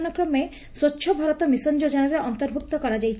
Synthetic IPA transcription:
nɔkɾɔme | sotːʃʰɔbʱɔɾɔt̪ɔmisɔnd͡ʒod͡ʒɔnaɾeʔɔnt̪ɔɾbʱuk̚t̪ɔkɔɾad͡ʒajt͡ʃʰ

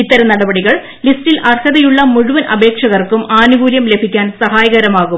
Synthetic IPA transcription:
it̪ːɐɾɐnɐɽɐbɐɽiɣɐɭ | listilʔɐrhɐðɐjuɭːɐmuɻuʋɐnʔɐ̰be̞ːkʂɐɣɐrkumaːnuɡuːɾjɐmle̞bʱikʲːaːnsɐɦaːjɐɣɐɾɐmaːɣum

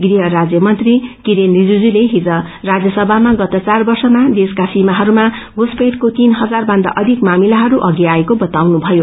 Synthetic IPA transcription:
ɡriɦʌrad͡zjʌmʌnt̪rikiɾenrid͡zud͡zuleɦid͡zʌ | rad͡zjʌsʌbʱamaɡʌt̪ʌt͡sarbʌrsʌmad̪eskasimaɦʌɾuma | ɡuspeʈkot̪inɦʌd͡zarbʌnd̪a̰ʔʌd̪ʱikmamilaɦʌɾuʔʌɡiaekobʌt̪awnubʱʌjo

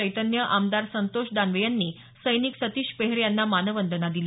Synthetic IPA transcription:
əjt̪ənjəʔamd̪aɾsənt̪oʂd̪anʋejanːiː | səjniksət̪iːɕpeɦɾjanːamanəʋənd̪ʱənad̪ile

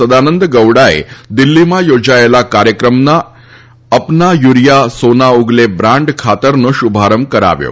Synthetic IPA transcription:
səd̪anənd̪əɡəwɽaḛd̪ilːimajod͡zajlakaɾjəkɾəmna | əpnajuɾjasonauɡlebɾãɳɖkʰat̪əɾnəɕubʱaɾəmkəɾa̰ʋjo̰

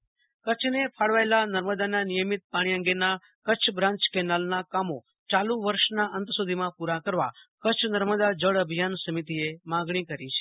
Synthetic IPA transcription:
kət͡ʃʰnepʰaɽʋaelanəɾməd̪ananijəmit̪̚paɽ̃iə̃ŋɡena | kət͡ʃʰbɾãɲt͡ʃkɛnalnakamo | t͡ʃalũʋəɾʃnaʔənt̪sud̪ʱimãpuɾakəɾʋakət͡ʃʰnəɾməd̪ad͡ʒəɭəbʱijansəmit̪iemãɡɳ̃ikəɾit͡ʃʰe̥

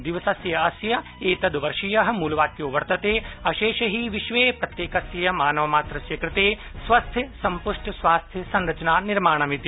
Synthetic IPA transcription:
d̪iʋɐsɐsjɐɐsjɐ | eːt̪ɐd̪ʋɐɾʂijɐɦɐ̆muːlʋaːkjoːʋɐɾt̪ɐt̪eːɐʃeːʃɐɦiʋiʃʋeːpɾɐt̪jeːkɐsjɐjɐmaːnɐʋɐmaːt̪ɾɐsjɐkɾɪt̪eː | sʋɐst̪ʰjɐsɐmpuʂʈʰɐsʋaːst̪ʰjɐsɐnɾɐt͡ʃɐnaːniɾmaːɳɐmit̪i

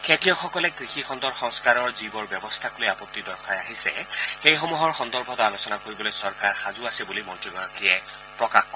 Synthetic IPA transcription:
kʰetɹijɔxɔkɔlɛkɹixixʰɔnd̪ɔɹxɔŋskaɹɔɹzibɔɹbjɔbɔst̪ʰaklojapɔt̪ːid̪ɔɹkʰajaɦisɛ̰xejxomuɦɔɹxɔnd̪ɔɹbʱɔtɔalosɔnakoɹibɔlojsɔɹkaɹxazuasɛbulimɔntɹiɡɔɹɔkʰijɛ | pɹɔkaxkɔ

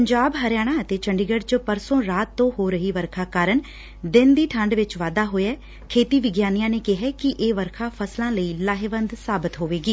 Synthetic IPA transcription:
pəɲd͡ʒaːbɦəɾjaːɽ̃ãːət̪eːt͡ʃəɳɖɪɡəɖt͡ʃəpəɾsõːɾaːt̪ːõːhoːɾəɦiːʋəɾkʰaːkaːɾəɳ | d̪ɪnd̪iːʈʰəɳɖʋɪt͡ʃʋaːd̪aːɦoːjɛː | kʰeːt̪iːʋɪɡjaːnijãːneːkɪɦɛːkɪʔeːʋəɾkʰaːpʰəslãːləiːlaːɦɪʋənd̪saːbɪt̪ɦoːʋeːɡiː

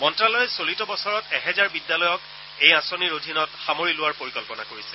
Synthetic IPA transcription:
mɔntɹalɔjɛsolitɔbɔsɔɹɔtɛɦɛzaɹbidːalɔjɔk | ejãsoniɹodʱinɔtxamoɹilʊwaɹpoɹikɔlpɔnakoɹisɛ̥

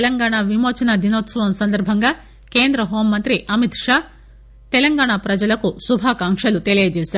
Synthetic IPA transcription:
lɐŋɡaːɳaʋimoːt͡ʃɐnɐd̪inoːt̪sɐʋɐmsɐnd̪ɐɾbʱɐŋɡaː | ke̞ːnd̪ɾɐɦo̞ːmːɐnt̪ɾiʔɐmit̪ʂaː | t̪ɛlɐŋɡaːɳapɾɐd͡ʒɐlɐkusubʱaːkaːŋkʂɐlut̪elijɐd͡ʒeːsaɾ

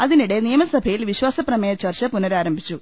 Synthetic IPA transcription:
ɐðiniɽe̞nijɐmɐsɐbʱɐjilʋiɕwaːsɐprɐmɐjɐt͡ɕːɐrt͡ɕɐpunɐɾaːɾɐmbʱit͡ɕːu

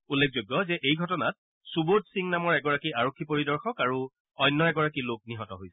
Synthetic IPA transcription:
ulːek̚ʰzojɡːɔzɛʔejɡʱɔtɔnat̚ | subodsiŋnamɔɹɛɡɔɹakiaɹokʰːipoɹidɔɹxɔkaɹu | ɔjnːɔɛɡɔɹakilok̚niɦɔtɔɦojsɛ̥

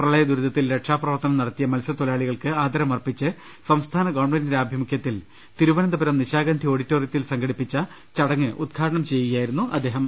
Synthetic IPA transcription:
prɐɭɐjɐd̪uɾud̪ɐt̪ːilɾeʈʂaːprɐʋɐrt̪ɐnɐmnɐɽɐt̪ːijɐmɐlsɐt̪olaːɭiɣɐɭkɨaːd̪ɐɾɐmɐrpit͡ɕːɨ | sɐmst̪ʰaːnɐɡoːɳmɐnɐɾaːbʱjimukʰjɐt̪ːil | t̪iɾuʋɐnɐnd̪ɐbɐɾɐmniɕaːɡɐːnd̪ʱio̞ːɽitːoːrjɐt̪ːilsɐŋɡɐɽipːit͡ɕːɐ | t͡ɕɐɽɐŋːɨʔud̪̚ɡʰʱaːɾɐɳɐmt͡ɕe̞jːiɣijaːjiɾunːuʔɐ̰d̪ːe̞ːɦɐm

